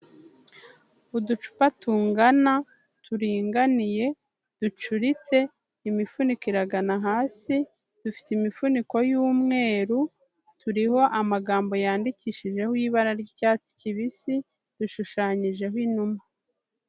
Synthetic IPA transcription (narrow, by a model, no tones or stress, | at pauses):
udut͡ʃu̥patuːŋɡana | tʰuɾiːŋɡanije̞ | d̥ut͡ʃuɾit͡se̞ | imifunikiɾaɡanaɦaːsi | d̥ufi̥timifuniko̞juːmŋe̞ːɾu | tʰuɾiho̞ʔamaɡaːmbo̞jaːndiciːʃiʒe̞hwiβaɾaɾɟicaːt͡si̥ciβisi | d̥uʃuʃaːɲiʒe̞hwinuma